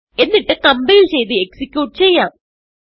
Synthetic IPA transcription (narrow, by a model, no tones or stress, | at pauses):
e̞nːiʈːɨkɐmbejilt͡ɕe̞jt̪ieksikʲjuːʈːɨt͡ɕe̞jːaːm